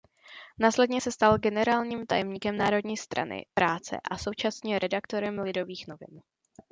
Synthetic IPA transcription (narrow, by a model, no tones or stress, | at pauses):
naːslɛdɲɛsɛst̪alɡɛnɛɾaːlɲiːmt̪ajɛmɲiːkɛmnaːɾo̞dɲiːst̪ɾʔa̰nɪ̰pɾaːt͡sɛ̰ʔaso̞wt͡ʃasɲiːmɾʔɛdakt̪o̞ɾɛmlɪdo̞viːxno̞vɪ̰n